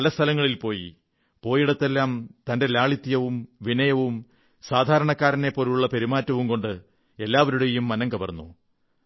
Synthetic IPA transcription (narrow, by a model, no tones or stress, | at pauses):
ɐlɐst̪ʰɐlɐŋːɐɭilpo̞ːjḭ | po̞ːjiɽɐt̪ːe̞lːaːmt̪ɐnde̞laːɭit̪ːjɐʋumʋinɐjɐʋum | saːd̪ʱaːɾɐɳɐkːaːɾɐnepːo̞ːluɭːɐpeɾimaːtːɐʋumko̞ɳɖɨ | e̞lːaːʋɐɾuɽe̞jumːɐnɐŋkɐbɐrnːṵ